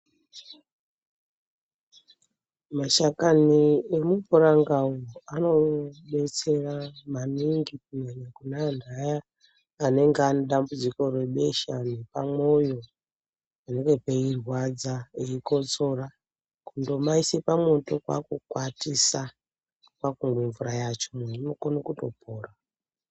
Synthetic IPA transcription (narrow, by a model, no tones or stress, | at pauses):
maʃakaniemupuɾaŋɡauano̞ɓe̞t͡se̞ramaniŋɡikunenekunandʱajaː | ne̞ŋɡeaneɗambud͡ziko̞rwe̞ɓe̞ʃanepamo̞jo̞ | ane̞ŋɡe̞peirwad͡zaeiko̞t͡so̞ra | kundo̞maisepamo̞to̞kwa̰kukwatisa | kwakuŋɡweɱvuɾajat͡ʃo̞menimokonikuto̞pʰoːra